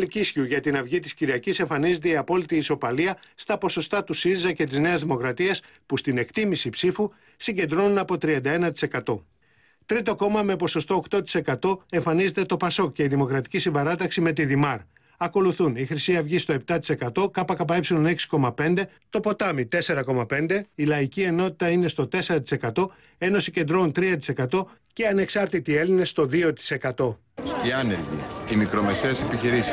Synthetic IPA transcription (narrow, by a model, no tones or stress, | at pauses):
licisçiuʝɐt̪inɐvʝit̪isciɾiɐcise̞ɱfɐnize̞t̪e̞iɐpo̞lit̪iːso̞pɐliɐst̪ɐpo̞so̞st̪ɐt̪usiɾizɐce̞t̪̬izne̞ɐzðimo̞kɾɐt̪iɐs | pust̪ine̞kt̪imisipsifu | siɲɟe̞nd̪ɾo̞nunɐpo̞t̪ɾiɐnd̪ɐe̞nɐt̪i̥se̞kɐt̪o̞ | t̪ɾit̪o̞ko̞mɐme̞po̞so̞st̪o̞ːkt̪o̞t̪i̥se̞kɐt̪o̞e̞ɱfɐnize̞t̪e̞t̪o̞pɐso̞kce̞iðimo̞kɾɐt̪i̥cisiɱvɐɾɐt̪̬ɐksime̞t̪̬iðimɐɾ | ɐko̞luθunixɾisiɐvʝist̪o̞e̞p̚t̪ɐt̪ise̞kɐt̪o̞kɐpɐkɐpɐepsilone̞ksi̥ko̞mɐpe̞nd̪e̞ | t̪o̞po̞t̪ɐmit̪e̞se̞ɾɐko̞mɐpe̞nd̪e̞ilɐicie̞no̞t̪i̥t̪ɐine̞st̪o̞t̪e̞se̞ɾɐt̪i̥se̞kɐt̪o̞ | e̞no̞sice̞nd̪ɾo̞unt̪ɾiɐt̪̬i̥se̞kɐt̪o̞ceɐne̞ksɐɾt̪it̪ieline̞st̪o̞ðio̞t̪i̥se̞kɐt̪o̞ | iɐnelʝḭimikɾo̞me̞se̞ɐsepiçiɾisi̥